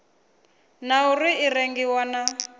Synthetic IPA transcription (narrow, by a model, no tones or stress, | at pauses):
nauriireŋɡiwana